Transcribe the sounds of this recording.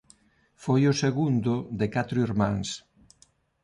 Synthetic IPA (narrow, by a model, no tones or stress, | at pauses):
fojʊseɣund̪ʊd̪ɪkat̪ɾʊiɾmãŋs